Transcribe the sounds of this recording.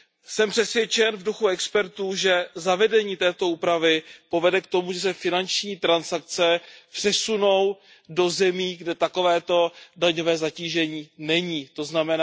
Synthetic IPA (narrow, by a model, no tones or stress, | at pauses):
sɛmpr̥ɛsvjɛt͡ʃɛnvduxuɛkspɛɾt̪uːʒɛzavɛdɛɲiːt̪ɛːt̪o̞uːpɾavɪpo̞vɛdɛkt̪o̞muʒɛs̬ɛfɪnant͡ʃɲiːt̪ɾansak̚t͡sɛpr̥ɛsuno̞w | do̞zɛmiːɡdɛt̪ako̞vɛːt̪o̞daɲovɛːzaciːʒɛɲiːnɛɲiːt̪o̞znamɛna